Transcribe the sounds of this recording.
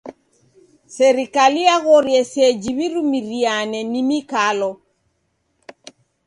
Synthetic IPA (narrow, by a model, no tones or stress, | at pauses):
sɛɾikaliaɣɔɾjɛsɛd͡ʒiβiɾumiɾianɛnimikalɔ